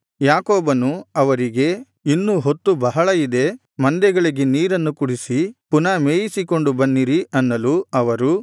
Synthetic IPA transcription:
jaːkoːbɐnuɐʋɐɾiɡe̞ | inːuɦo̞t̪ːubɐɦɐɭɐid̪e̞ | mɐnd̪ɛɡɐɭiɡe̞niːɾɐnːukuɽisipunɐmeːjisiko̞ɳɖubɐnːiɾiʔɐnːɐluɐʋɐɾu

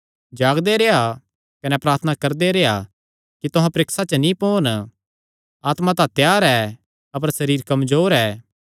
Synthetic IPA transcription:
d͡ʒaːɡd̪eɾea | kɐnɛpɾaːɾt̪ʰənakɐɾd̪eɾea̰ | kit̪ʊɦãpɾɪksat͡ʃənĩpoːn | aːt̪mãt̪ãt̪jaːɾɛː | ɐpəɾsɐɾiːɾkɐmzoːɾɛː

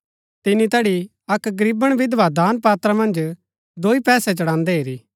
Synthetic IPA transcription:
t̪ɪnit̪ɛːɽi | ɐkɡɐɾiːbəɽ̃ʋɪd̪ʋad̪aːnpaːt̪ɾamɐ̃nd͡ʒ | d̪oːipɛːsɛt͡ʃɐɽãːnd̪ɛɦeːɾiː

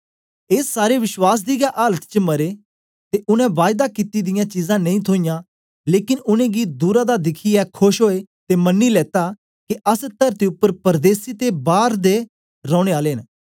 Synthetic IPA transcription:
eːsːaːɾeʋɪʃwaːs̬d̪iɡaʔaːlət̪t͡ʃəmɐɾeː | t̪eʔʊnɛ̃ʋaːɪd̪akit̪id̪ɪjãt͡ʃiːzãːnɐ̃ĩːt̪ʰoːijã | leːkɪnʊnẽːɡid̪uːɾad̪ad̪ɪkʰiɛkʰʊʃɦoːet̪emɐnːilɛːt̪a | kiʔəst̪əɾt̪iʊpːəɾpəɾd̪eːsit̪ebaːɾd̪e | ɾɔ̃ːɽ̃eaːleːn

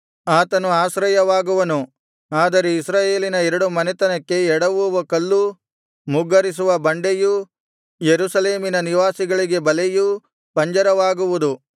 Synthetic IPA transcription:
aːt̪ɐnuaːʃɾɐjɐʋaːɡuʋɐnu | aːd̪ɐɾe̞isɾaːje̞ːlinɐɛɾɐɽumɐnɛt̪ɐnɐkːe̞ɛɽɐʋuʋɐkɐlːu | muɡɐɾis̬uʋɐbɐɳɖeju | jeɾusɐle̞ːminɐniʋaːsiɡɐɭiɡe̞bɐleju | pɐɲd͡ʒɐɾɐʋaːɡuʋud̪u

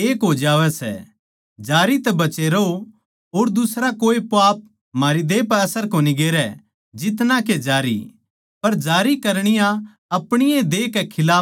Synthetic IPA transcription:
eːkɦod͡ʒaːʋɛsɛ̰ | d͡ʒaːɾit̪ɛbɐt͡ʃeɾo | ɦoːɾd̪ʊsɾakoːipaːp̚ | maːɾid̪eːpɛɐsəɾkoːniɡeːɾɛ | d͡ʒɪt̪nãked͡ʒaːɾḭ | pɐɾd͡ʒaːɾikɐɾɽ̃ɪjã | ɐpɽ̃ɪjẽd̪eːkɛkʰɪlaː

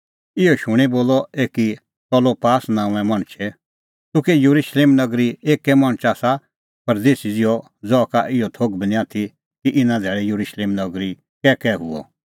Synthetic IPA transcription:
ɪɔʃʊɽ̃iboːlɔeːki | pɔlopaːsnãːũɛ̃mɐɽ̃t͡ʃʰɛ | t̪ʊ̃kɛjuɾuʃleːmnɐɡɾieːkːɛmɐ̃ɽ̃t͡ʃasa | pɐɾd̪eːsid͡zɪjɔ | d͡zɔːkaʔɪjɔt̪ʰoːɡbnĩãt̪ʰi | kiʔɪnãd̪ʱɛːɭɛjuɾuʃleːmnɐɡɾi | kɛːkɛːɦʊ̰ɔ̰

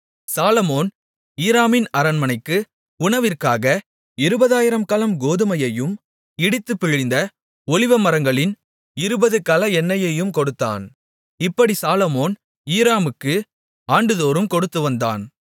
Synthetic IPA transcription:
saːlɐmoːn | iːɾaːmɪnɐɾɐnmɐnɐɪkːɯ | ʊɳɐʋɪrkaːɣɐ | ɪɾɯbɐðaːjɪɾɐmkɐlɐmɡoːðɯmɐjɐjɯm | ɪɽɪt̪ːɯpːɪɻɪnd̪ɐ | ɔɭɪʋɐmɐɾɐŋɡɐɭɪn | ɪɾɯbɐðɯkɐlɐɛnːɐjɐjɯmkɔɽɯt̪ːa̰ːn | ɪpːɐɽisaːlɔmoːn | iːɾaːmɯkːɯ | aːɳɖɯðoːɾɯmkɔɽɯt̪ːɯʋɐnd̪a̰ːn

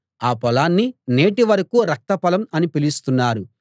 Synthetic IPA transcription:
aːpɔlaːnːine̞ːʈiʋɐɾɐkuɾɐk̚t̪ɐpɐlɐmɐnipilist̪unːaːɾu

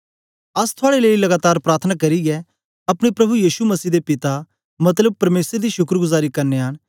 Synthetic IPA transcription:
ɐst̪ʰʊaːɽeleːilɐɡaːt̪aːɾpɾaːɾt̪ʰənakɐɾiɡɛ | ɐpɽ̃epɾɐbujiːʃumɐsiːd̪epɪt̪a | mɐt̪̬ləb̚pɐɾmeːsəɾd̪iʃʊkɾɡʊzaːɾikɐɾneaːñ

